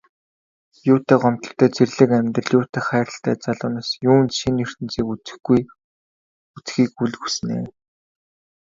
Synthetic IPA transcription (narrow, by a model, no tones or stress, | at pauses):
jʊːt̪æːqɔm̥t̪ɞ̥̆ɬt̪ʰːœːt͡serɮɘ̆kæmʲt̪ə̆ɮjʊːt̪ʰeːχæːɾə̆ɬt̪æ̰ːt͡saɮʊːnaːsjuːnʃinɵr̥t̪ɘ̆nt͡siːkut͡sɘ̥̆xɡuj | ut͡sxiːkuɮɣusɘ̆nḛː